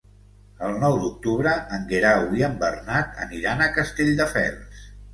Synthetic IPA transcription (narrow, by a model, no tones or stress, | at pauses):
əlˠnɔwd̪uk̚t̪uβɾəʔəŋɡeɾawiəmbərnat̪ə̰niɾanəkəst̪eʎd̪əfɛ̰lˠs